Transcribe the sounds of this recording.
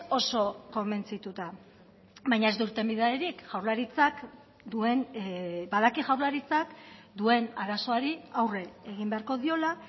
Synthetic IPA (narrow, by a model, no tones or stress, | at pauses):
o̞so̞ko̞mbe̞nt͡sit̪ut̪a | βajɲae̞zd̪uɾt̪e̞mbiðaeɾikʝawɾlaɾit͡sak | d̪ue̞nbaðakiʝawɾlaɾit͡sakd̪ue̞naɾaso̞aɾiawre̞eɣimbe̞aɾko̞ðio̞la